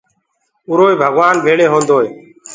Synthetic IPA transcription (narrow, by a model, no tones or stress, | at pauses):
ʊɾoːiːbʱəɡʋaːnbʱeːɽeːɦõːnd̪oːeː